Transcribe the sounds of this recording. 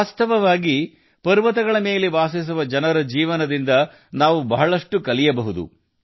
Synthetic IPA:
aːst̪ʰɐʋɐʋaːɡi | pɐɾʋɐt̪̬ɐɡɐɭɐme̞ːleʋaːsis̬uʋɐd͡ʒɐnɐɾɐd͡ʒiːʋɐnɐd̪ind̪ɐ | naːʋubɐɦɐɭɐʂʈukɐlijɐbɐɦud̪ṵ

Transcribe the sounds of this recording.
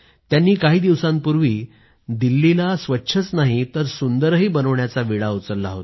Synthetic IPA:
t̪janːiːkaɦiːd̪iʋsãmpuɾʋiː | d̪ilːilasʋətːɕʰət͡snaɦit̪əɾsund̪əɾɦiːbənəʋɳjat͡saʋiɭaut͡səlːaɦot̪

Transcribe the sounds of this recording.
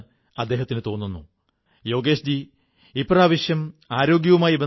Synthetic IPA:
ɐd̪ːe̞ːɦɐt̪ːinɨt̪o̞ːnːunːṵ | jo̞ːɡe̞ːɕd͡ʑi | ipraːʋɐɕjɐmaːɾo̞ːɡjɐʋumaːjibe

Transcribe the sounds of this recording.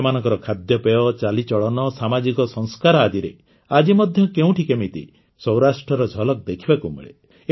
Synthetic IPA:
manɔ̃ŋkɔɾɔkʰad̪jɔpeɔt͡ʃalit͡ʃɔɭɔnɔsamad͡ʒikɔsɔŋskaɾɔad̪iɾe | ad͡ʒimɔd̪ʱjɔkeũʈʰikemit̪ḭ | sɔw̃ɾasʈɾɔɾɔd͡ʒʱɔlɔk̚d̪ekʰibakumḛɭḛ

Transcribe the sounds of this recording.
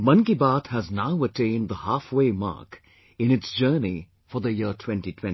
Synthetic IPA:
mʌ̃nkibaːthæznaʊətẽɪ̃nd̪d̪əhafweːma̰ːk | ɪ̃nɨtsd͡ʒɜːni | fəðəjɪtʰw̥ɛ̃ntitʰwɛ̃n

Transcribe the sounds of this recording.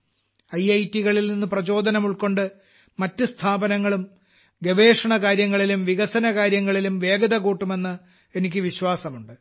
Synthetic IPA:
ɐjɐjtːiɣɐɭilninːuɨprɐt͡ɕo̞ːd̪ʱɐnɐmuɭko̞ɳɖɨ | mɐtːɨst̪ʰaːbɐnɐŋːɐɭum | ɡe̞ʋe̞ːʂɐɳɐkaːɾjɐŋːɐɭilumʋiɣɐsɐnɐkaːɾjɐŋːɐɭilumʋe̞ːɡɐðɐkuːʈːume̞nːɨ | enikʲːɨʋiɕwaːsɐmuɳɖɨ

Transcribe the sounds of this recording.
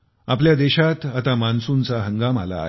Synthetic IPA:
apljad̪eɕat̪at̪amansunt͡saɦəŋɡama̰la̰ː

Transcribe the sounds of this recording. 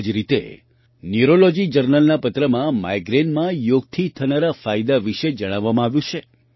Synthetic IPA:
d͡ʒɾit̪ḛ | njuɾolod͡ʒid͡ʒəɾnəlnapət̪ɾəmãma̰jɡɾenmãjoɡ̚t̪ʰit̪ʰənaɾafajd̪aʋiʃed͡ʒəɽ̃aʋːamãaʋjũt͡ʃʰe

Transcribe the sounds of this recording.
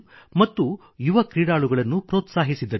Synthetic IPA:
mɐt̪ːu | juʋɐkɾiːɽaːɭuɡɐɭɐnːupɾɔːt̪saːɦisid̪ːɐ

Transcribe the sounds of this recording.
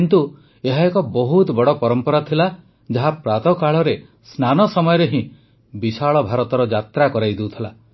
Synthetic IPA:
int̪u | eɦaekɔbɔɦut̪bɔɽɔpɔɾɔmpɔɾat̪ʰila | d͡ʒaɦapɾat̪ɔkaɭɔɾe | snanɔsɔmɔjɔɾeɦĩ | bisaɭɔbʱaɾɔt̪ɔɾɔd͡ʒat̪ɾakɔɾajd̪eut̪ʰila

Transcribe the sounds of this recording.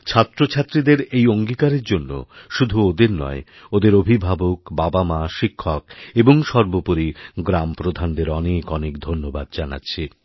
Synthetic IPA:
t͡ɕʰat̪ːɾot͡ɕʰat̪ːɾid̪eɾejoŋɡikaɾeɾd͡ʑonːo̰ʃud̪ʱuod̪eɾnɔ̰e | od̪eɾobʱibʱabokbabamaʃikʰːɔkeboŋʃɔɾbopoɾiɡɾampɾod̪ʱand̪eɾɔnekɔnekd̪ʱonːoba̰d̪̚d͡ʑana̰tːɕʰi

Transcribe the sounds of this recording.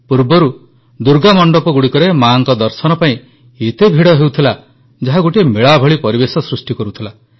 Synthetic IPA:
puɾbɔɾu | d̪uɾɡamɔɳɖɔpɔɡuɽikɔɾemaŋkɔd̪ɔɾsɔnɔpaĩ | et̪ebʱiɽɔɦewt̪ʰila | d͡ʒaɦaɡoʈiemeɭabʱɔɭipɔɾibesɔsɾusʈikɔɾut̪ʰila

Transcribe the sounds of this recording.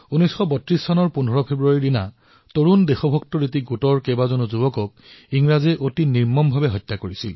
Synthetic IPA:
unɔjsxɔbɔtɹisːɔnɔɹpunɔɹɔpʰebɹuaɹidina | toɹundexɔbʱɔktɔɹit̬iɡutɔɹkebazɔnuzubɔkɔk̚ | iŋɹazɛʔotiniɹmɔmbʱabɛɦɔjtːakoɹisil

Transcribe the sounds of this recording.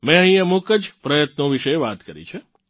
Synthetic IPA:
mɛ̃ə̃ɦĩemokəd͡ʒpɾəjət̪noʋiʃəjʋat̪kəɾḭt͡ʃʰe

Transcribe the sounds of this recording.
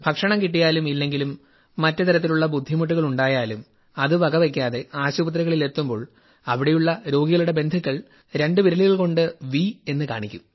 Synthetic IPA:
bʱɐkʂɐɳɐmkiʈ̬ːijaːlumilːe̞ŋɡilumː | ɐtːɨt̪ɐɾɐt̪̬ːiluɭːɐbud̪ʱːimuʈ̬ːuɣɐɭuɳɖaːjaːlum | ɐðɨʋɐɡɐʋek̬ʲːaːðe̞aːɕuːbɐt̪̬ɾiɣɐɭile̞t̪ːumbo̞ːɭ | ɐʋiɽe̞juɭːɐɾo̞ːɡiɣɐɭuɽe̞be̞nd̪ʱikːɐɭ | ɾe̞ɳɖɨʋiɾɐɭijilko̞ɳɖɨʋie̞nːɨka̰ːɳikʲːum

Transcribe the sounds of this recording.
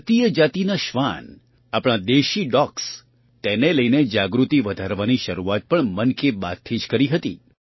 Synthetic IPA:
ət̪ijəd͡ʒat̪inaʃʋa̰n | apɽ̃ad̪eʃiɖɔks | t̪eneləjned͡ʒaɡɾut̪iʋəd̪ʱaɾʋaniʃəɾuat̪̚pəɳmənkebat̪ʰid͡ʒkəɾiɦət̪ḭ

